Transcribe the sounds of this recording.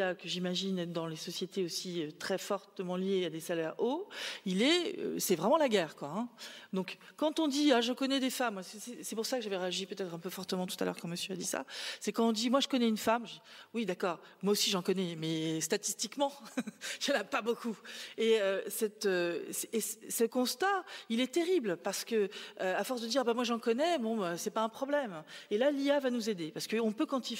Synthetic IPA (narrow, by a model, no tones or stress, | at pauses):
akəʒimaʒind̪ɑ̃lesɔsjet̪eosiøt̪χɛfɔʁt̪əmɑ̃ljead̪esalɛʁoilɛø̰sɛvʁɛmɑ̃laɡʲɛːʁkwaɛ̃d̪ɔ̃kkɑ̃t̪ɔ̃d̪iaʒəkɔnɛd̪efamːassɛsɛpuʁsakəʒavɛʁeaʒipøt̪ɛt̪χɛ̃pøfɔʁt̪əmɑ̃t̪u̥t̪alœ̰ʁkɑ̃məsjøad̪isa̰sɛkɑ̃t̪ɔ̃d̪imwaʒəkɔnɛynfamʒwid̪akɔːʁ | mwaosiʒɑ̃kɔnɛmɛst̪at̪ist̪ikmɑ̃ʒanapabokueøsɛt̪øsːssəkɔ̃st̪ailɛt̪eʁiblpaʁsə̥kəøafɔʁsd̪əd̪iʁabamwaʒɑ̃kɔnɛbɔ̃øsɛpaɛ̃pχɔblɛmelaliavanuzed̪epaʁsəkəɔ̃pøkɑ̃t̪i